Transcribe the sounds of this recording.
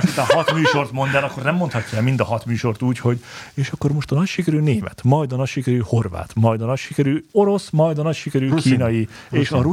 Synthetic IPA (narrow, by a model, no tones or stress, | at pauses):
it̪ɒhɒt̪myːʃo̞rt̪mo̞nd̪aːlɒkːo̞rnɛmːont̪hɒcːɑɛlmind̪ɒɦɒt̪myːʃo̞rt̪uːcho̞ɟeːʃɒkːo̞rmo̞ʃt̪ɒnɒcʃikɛɾyːneːmɛ̰t̪mɒjd̪ɒnɒcʃikɛɾyːho̞rʋa̰ːt̪mɒjd̪ɒnɒcʃikɛɾyːo̞ɾo̞smɒjd̪ɒnɒcʃikɛɾyːkiːnɒjieːʃɒɾu